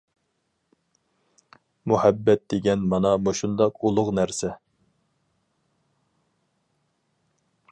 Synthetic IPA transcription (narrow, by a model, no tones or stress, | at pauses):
muhæbːɛt̪̚d̪̥eɡʲɛnmɑnɑmoʃund̪ɑqulˠʊqnæɾsɛ